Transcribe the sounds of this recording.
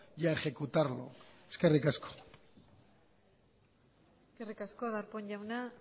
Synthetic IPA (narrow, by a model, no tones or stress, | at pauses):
ʝaexe̞kut̪aɾlo̰eske̞rikasko̥ | eskerikaskoðaɾpoɲʎawna